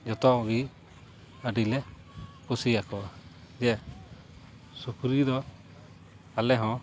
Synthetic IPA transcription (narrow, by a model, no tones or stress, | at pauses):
d͡ʒɔt̪ɔɡi | əɖilɛ | kusiakɔd͡ʒɛ | sukɾid̪ɔ | alɛɦɔ̃